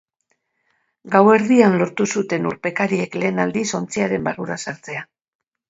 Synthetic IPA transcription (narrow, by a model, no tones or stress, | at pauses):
ɡawe̞ɾðianlo̞ɾt̪usut̪e̞nuɾpe̞kaɾie̞kle̞ːnald̪iso̞nt͡siaɾe̞mbaruɾasaɾt͡se̞a